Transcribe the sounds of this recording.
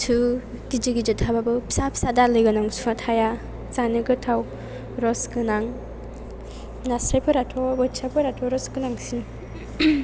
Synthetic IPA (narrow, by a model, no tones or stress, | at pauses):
tʰu | did͡ʒɯɡid͡ʒɯtʰababɯpʰi̥sapʰi̥sadalɯjɡɯnaŋsunatʰaja | t͡ʃanɯɡɯtʰaw | ɾɔskɯnaŋ | nasɾajpʰɯɾatʰɔbɯt͡ʃʰapʰɯɾatʰɔɾɔsɡɯnaŋsin